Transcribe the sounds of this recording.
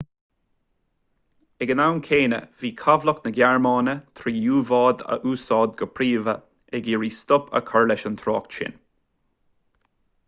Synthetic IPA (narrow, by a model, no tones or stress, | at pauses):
ɛɡənawnkʰeːnə̰viːkʰavləknəɡjaɹmɑːnət̪ʰɾiːjuːvɑːd̪ə̰ʔuːsɑːd̪̚ɡəpʰɾiːvə | ɛɡiːɹiːst̪ʊpʰə̰kʰɔɹlɛʃənt̪ʰɾɔːkʃɪ̰n